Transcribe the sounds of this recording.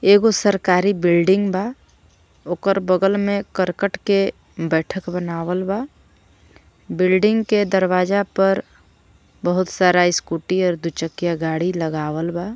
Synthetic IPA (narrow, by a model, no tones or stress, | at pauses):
eːɡosəɾkaːɾibɪlɖɪ̃ŋɡba | oːkəɾbəɡəlmẽkəɾkəʈke | bɛːʈʰəkbənaːwəlba | bɪlɖɪ̃ŋɡked̪əɾwaːd͡ʒapəɾ | bəɦʊt̪saːɾaɪskuːʈiɔːɾd̪ut͡ʃəkːjaɡaːɽiləɡaːwəlba